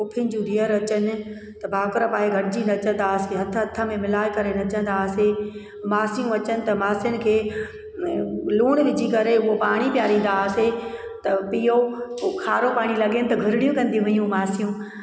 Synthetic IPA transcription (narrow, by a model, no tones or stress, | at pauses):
ʊpʰɪnɪ̆d͡ʑũdiːəɾɐt͡ɕənɪ̆ | t̪ɐbʱaːkʊɾəpaːeɡʱɐɽɪd͡ʑinɐt͡ɕə̃n̆d̪aːseɦɐt̪ʰɦɐt̪ʰːə̆mẽmɪlaːɪkɐɾenɐt͡ɕə̃nd̪aːse | maːsijũɐt͡ɕənɪ̆t̪ɐmaːsiənɪ̆kʰeː | luːɽ̃ʋɪd͡ʑikɐɾeʊɦopaːɽ̃ipjaːɾĩːn̆d̪aːset̪ɐpiːjokʰaːɾopaːɽ̃ilɐɠenɪ̆t̪ɐɡʱʊɾɪɽijũkɐ̃nd̪iũɦʊijũmaːsijũ